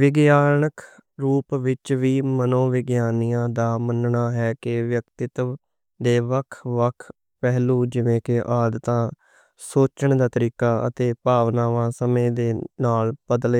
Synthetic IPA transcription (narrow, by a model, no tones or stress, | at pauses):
ʋɪɡjaːnəkɾuːpʋɪt͡ʃʋiːmənõːʋɪɡjaːnijãːd̪aːmənɳaːɦɛːkɪʋjəkt̪ɪt̪ | d̪eːʋəkʰʋəkʰ | pɛːɦlũːd͡ʒɪʋẽːkɪʔaːd̪t̪ãː | soːt͡ʃəɳd̪aːt̪əɾiːkaːə̰t̪eːpaːʋnãːʋãːsəmẽːd̪eːnaːlbəd̪əleː